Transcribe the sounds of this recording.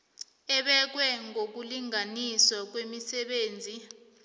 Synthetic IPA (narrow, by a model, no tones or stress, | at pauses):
ɛɓɛk̬wɛŋok̬uliŋanisɔk̬wemisɛɓeːnd͡zʱi